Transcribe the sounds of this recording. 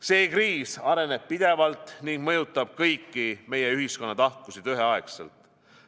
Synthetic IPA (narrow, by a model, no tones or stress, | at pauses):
se̞ːkriːsɑɾe̞ne̞b̥̚pid̪̥e̞vɑlt̪ˑniŋɡ̥mɤjut̪ːˑɑb̥̚kɤjkːime̞je̞yɦisko̞nːɑt̪ɑhkusid̪yɦe̞ɑeksḛlt̪ˑ